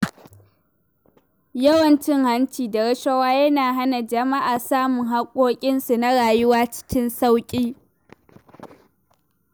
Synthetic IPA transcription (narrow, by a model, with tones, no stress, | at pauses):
jɐ˦wɐ˨nt͡ʃɪ˦ŋha˦nt͡ʃiː˨da˨ɾɐ˦ʃɐ˦waː˦jɐ˦naː˨ɦa˦na˨d͡ʒɐ˨ma˦ʔaː˨saː˦mʊ˨ŋɦa˦kʷʼoː˦kʲʼɪ˦nsu˨na˦ɽaː˨jʊ˦waː˦t͡ʃɪ̥˦kʲɪ˦nsa˦wkʲʼiː˦